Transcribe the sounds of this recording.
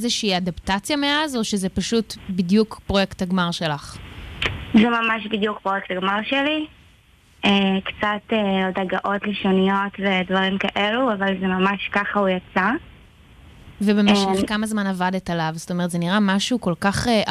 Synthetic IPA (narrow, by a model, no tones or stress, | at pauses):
zeʃiːadaptat͡sjameazo̞ʃezepaʃutbidjukpʁo̞jektaɡmaʁʃe̞laχ | zɛmamaʃbidjuk̚pʁojektaɡmaʁʃeli | ekt͡sat̪eodaɡaʔo̞tleʃonijo̞tvedvɐʁimkaʔe̞luavalzemamaʃkaχaujat͡sa | vebemeʃekamazmanavadetalavzo̥to̞meʁtzeniʁamaʃuko̞lkaχe